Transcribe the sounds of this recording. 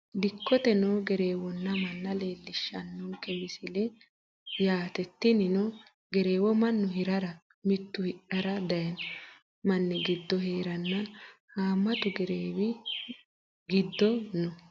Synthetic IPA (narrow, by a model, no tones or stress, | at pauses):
d̪ɪkːɔt̪ɛnɔɡɛɾe̞ːwɔnːɐmɐnːɐle̞ːlːɪʃːɐ̰nːukʼɛwɪsɪlɛ | jaːt̪ɛt̪ːɪnɪnɔ | ɡɛɾe̞ːwɔmɐnːʊɦɪɾɐɾɐ | mɪt̪ːʊhɪʔɐɾɐd̪ɐjɐn | mɐnːɛɡɪd̪ːɔɦeːɾɐnːɐ | haːmːɐt̪ʊɡɛɾeːwɪ | ɡɪd̪ːɔnɔ